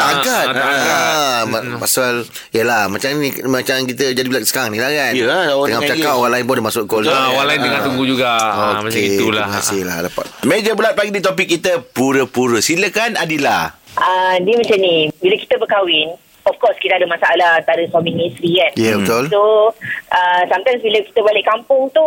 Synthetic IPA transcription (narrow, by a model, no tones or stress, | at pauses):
aɡat̪aapasal | jəlahmat͡ʃaŋnimat͡ʃaŋkit̪əd͡ʒadibulasə̥kaŋnĩlahkanəŋat͡ʃakapwalaɪnbɔdəmasʊʔkolwalaɪndəŋãnt̪uŋɡud͡ʒuɡaokeiuləmkasɪhla̰dapa̰t̪̚med͡ʒəbulat̪̚paɡidit̪opɪkːit̪əpuɾəpuɾəsiləkanadilahʔədiəmət͡ʃanibilaki̥t̪əbəkawɪn | ɔfkɔskit̪əadəmasaalahant̪aɾəsaminisɾianjabət̪ʊlso | əsamt̪ajmsbilaki̥t̪əbalɪkampʊŋt̪u